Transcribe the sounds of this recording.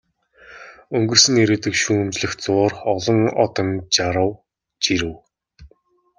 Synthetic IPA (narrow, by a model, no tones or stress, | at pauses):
ɵŋɡɵ̆rsɘ̆ŋeɾeːt̪ɘ̆kʃuːmt͡ɕɮɘ̆xt͡sʊːrɔɮɞ̆ŋɔ̰t̪ɞ̆nt͡ɕaɾə̆w | t͡ɕiɾɘ̆w